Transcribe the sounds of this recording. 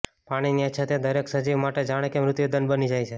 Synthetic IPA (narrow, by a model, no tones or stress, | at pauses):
paɽ̃iniəʃʰat̪ʰed̪əɾeksəd͡ʒiʋmaʈed͡ʒaɽ̃ekemɾʊt̪jid̪ənbənid͡ʒajt͡ʃʰe